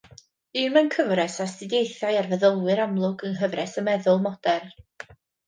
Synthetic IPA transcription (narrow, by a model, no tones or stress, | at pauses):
ɨːmənkʰəvrɛsastɪdjejθajarvəðəlˠwɨɾamlˠʊɡənɦəvrɛsəmɛðʊlˠmɔd̥ɛr